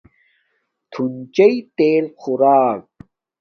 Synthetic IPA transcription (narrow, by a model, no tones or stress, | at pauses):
t̪ʰunt͡ɕɐit̪eːlxuɾaːk̚